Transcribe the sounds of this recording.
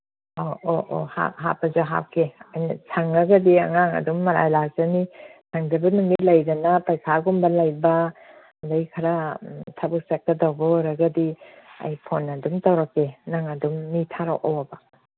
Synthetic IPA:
ooʔo̰ha̰ɦapɐzuɦa̰p̚kʰeajnɐ̰sʰaŋːaɡɐdia̰ŋaŋɐ̰dumːɐɾa̰jlak̚zɐnisʰaŋdɐbɐnuŋitlajdɐnapajkʰaɡumbɐlajba | dajkʰɐɾatʰabuk̚sak̚tɐdawbɐɾɐɡɐdiɐ̰jpʰonːɐdumtawɾakːenaŋɐdumnitʰaɾawʔa̰wabɐ

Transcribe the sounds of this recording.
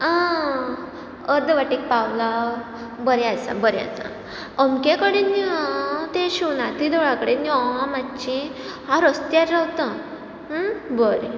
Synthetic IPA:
a | əɾd̪əʋaʈik̚pawla | bəɾeasa̰bəɾja̰t͡sa̰ | əmkekəɽenːit̪eɕuwnat̪id̪ɔɭakəɽeniɔãmat͡ɕĩ | ɦãɾəst̪jaɾɾawt̪ə | bəɾ

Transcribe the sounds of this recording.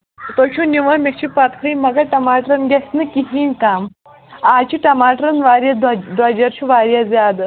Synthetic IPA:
t̪ot͡ʃʰũniʋɐmekt͡ʃʰipɐt̪kʰɐimɐɡɐʈɐmaːʈɾɐnɡʲɐsnɨkiɦiːnkaːm | aːt͡ʃʰiʈɐmaːʈɾɐnʋaːɾʲjɐd̪d̪ɐd͡ʒɐɾt͡ʃʰuʋaːɾjazʲjaːd̪

